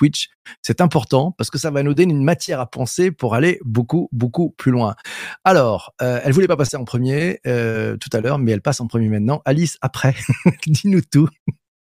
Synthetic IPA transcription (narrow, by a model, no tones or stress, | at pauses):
t̪wit͡ʃ | sɛt̪ɛ̃pɔʁt̪ɑ̃paʁsə̥kəsavanod̪enynmat̪jɛʁapɑ̃sepuʁalebokubokuplylwɛ̃alɔːʁøɛlvulɛpapaseɑ̃pχəmjeøt̪u̥t̪alœːʁmɛɛlpasɑ̃pχəmjemɛ̃t̪nɑ̃ʔalisapχɛd̪inut̪u